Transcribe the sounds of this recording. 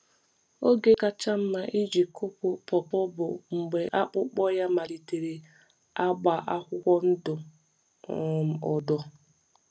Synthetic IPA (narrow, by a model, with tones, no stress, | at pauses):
o˦ɡe˦ka˦t͡ʃa˦m̩˦ma˨ʔi˦d͡ʒi˨kʊ˦pʊ˨pɔ˨pɔ˦bʊ˨ŋ͡m̩˨ɡ͡be˨ʔa˦k͡pʊ˦k͡pɔ˦ja˦ma˨li˨te˨ɾe˨ | a˦ɡ͡ba˨ʔa˦kʷʊ˦kʷɔ˦n̩˦dʊ˨ | m̩˨ɔ˨dɔ˨